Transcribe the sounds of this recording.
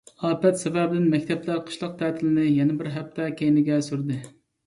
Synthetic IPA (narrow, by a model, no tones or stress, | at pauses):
ɑːpɛt̪sɛvæbɪd̪ɪnmɛkʲt̪ʰɛplæɾqʰə̥ʃlˠɑq̚t̪ʰɛːt̪ʰɪlɪnɪjɛnɪbɪɾɦæpt̪ʰɛkʲʰejnɪɡʲɛsyɾd̪ɨ